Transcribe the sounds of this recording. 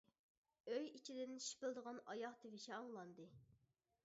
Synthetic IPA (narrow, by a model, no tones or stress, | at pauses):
øjit͡ʃʰid̪ɪnʃi̥pɪlˠd̪əʁɑnɑjɑχt̪ʰɪvɪʃɛɑŋlˠɑnd̪ɨ